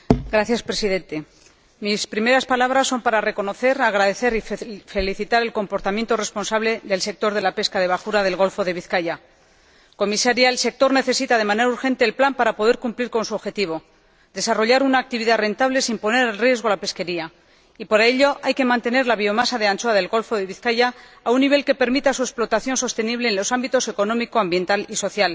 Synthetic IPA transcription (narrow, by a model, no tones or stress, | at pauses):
ɡɾaθjaspɾe̞siðe̞nt̪e̞ | mispɾime̞ɾaspalaβɾasːo̞mpaɾare̞ko̞no̞θe̞ɾaɣɾaðe̞θe̞ɾife̞liθit̪aɾe̞lko̞mpoɾt̪amjent̪o̞re̞spo̞nsaβle̞ðe̞lse̞k̚t̪o̞ɾð̞e̞lape̞skað̞e̞β̞akuɾað̞e̞lɣ̞o̞lfo̞ðe̞βiθkaja | ko̞misaɾjaelse̞k̚t̪o̞ɾne̞θe̞sit̪aðe̞mane̞ɾauɾxe̞nt̪e̞ːlplampaɾapo̞ðe̞ɾkumpliɾko̞nsuoβxe̞t̪iβ̞o̞ | d̪e̞saro̞ʎaɾunaːk̚t̪iβiðare̞nt̪aβle̞simpo̞ne̞ɾalrje̞zɣ̞o̞alape̞ske̞ɾia | ipaɾae̞ʎo̞ʔajke̞mãnt̪e̞ne̞ɾlaβ̞io̞masaðe̞ant͡ʃoaðe̞lɣo̞lfo̞ðe̞β̞iθkaʝaː | unːiβ̞e̞lke̞pe̞ɾmit̪asuesplo̞t̪aθjo̞nso̞st̪e̞niβle̞ːnlo̞sambit̪o̞se̞ko̞nomikoambje̞nt̪aliso̞θjal